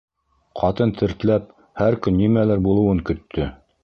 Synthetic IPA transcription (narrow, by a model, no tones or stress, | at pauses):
qʰɑt̪ɤnt̪ʰɘ̆ɾt̪læp̚ | hæɾkɵnːimælɘɾbulˠɤ̆wɤŋkɵ̆t̪ʰːɵ